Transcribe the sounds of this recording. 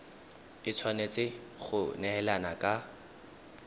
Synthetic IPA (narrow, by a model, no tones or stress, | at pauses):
ɪt͡sʰwanet͡sʼɪχʊnɛɛlanakʼa